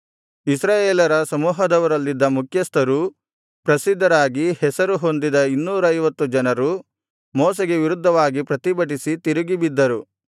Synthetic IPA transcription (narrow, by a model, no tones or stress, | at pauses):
isɾaːjeːlɐɾɐsɐmuːɦɐd̪ɐʋɐɾɐlːid̪ːɐmukʰjɐst̪ɐɾu | pɾɐsid̪ʱːɐɾaːɡihɛsɐɾuɦo̞nd̪id̪ɐinːuːɾɐjʋɐt̪ːud͡ʒɐnɐɾu | mɔːseɡe̞ʋiɾud̪ʱːɐʋaːɡipɾɐt̪ibɐʈ̬isit̪iɾuɡibid̪ːɐɾu